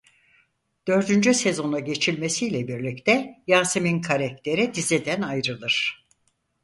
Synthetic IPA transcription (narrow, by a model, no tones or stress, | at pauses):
d̪̥ø̞ɾd̪ynd͡ʒyse̞zo̞naɟe̞t͡ʃʰilʲme̞sijlʲɛbiɾlʲict̪ʰɛjaːsɯminkʰaɾɛkc̚t̪ʰe̞ɾid̪izid̪ænajɾɯlˠɯɾ̥